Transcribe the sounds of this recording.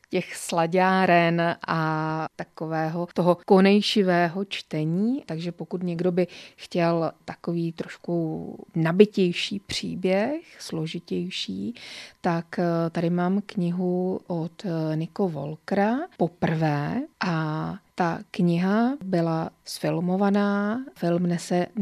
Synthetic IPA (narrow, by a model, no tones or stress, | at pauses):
cɛxslaɟaːɾɛnʔat̪akovɛːɦot̪oɦoko̞nɛjʃɪvɛːɦo̞t͡ʃt̪ɛɲiːt̪aɡʒɛpo̞kut̪ɲɛɡdo̞bɪxcɛlt̪ako̞viːt̪ɾo̞ʃkunabɪcɛjʃiːpr̝̥ḭːbjɛxslo̞ʒɪcɛjʃiːt̪akt̪adɪmaːmkɲɪɦuʔot̪nɪkovo̞̰lkɾapo̞pr̩vɛːʔat̪akɲɪɦabɪlasfɪlmo̞vanaːfɪlmnɛsɛ